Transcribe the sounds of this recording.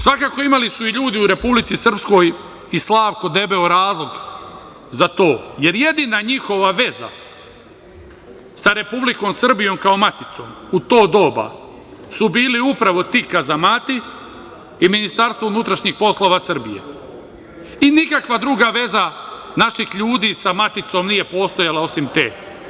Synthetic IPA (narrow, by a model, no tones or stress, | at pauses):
sʋakaːko̞imalisuiʎuːd̪iuɾe̞publit̪sisr̩psko̞ːj | islˠaːʋko̞d̪e̞be̞oɾaːzlˠo̞ɡ | zat̪o̞ːje̞ɾje̞d̪inaɲixo̞ʋaʋe̞za̰ | saɾe̞publiko̞ːmsr̩bijo̞ːmkaomat̪it̪so̞̰mut̪o̞ːd̪o̞ːba̰ | subiːliupɾaʋo̞t̪iːkazamaːt̪i | iminist̪aɾst̪ʋounut̪ɾaʃɲixpo̞slˠo̞ʋasr̩bḭjḛ | inikakʋad̪ɾuɡaʋe̞za | naʃixʎuːd̪iːsamat̪it̪so̞mnije̞po̞ːst̪ojalˠao̞simt̪eː